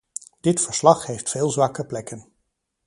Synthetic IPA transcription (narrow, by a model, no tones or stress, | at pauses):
d̥ɪtfəɹslɑχɦejftfeːlˠzʋɑkəplɛkən